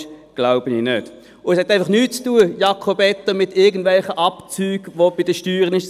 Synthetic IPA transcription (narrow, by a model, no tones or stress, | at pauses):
ɡ̥laʊbəninøt | ʊɛshɛt̪æɪfɑχnyːt̚t͡stuəjɑkʰobɛt̪ːɐmɪt̪ɪɐɡən̩d̥vɛlχəʔɑpt͡syːɡ̥ʋob̥id̥̪əʃtyːʁənɪʃ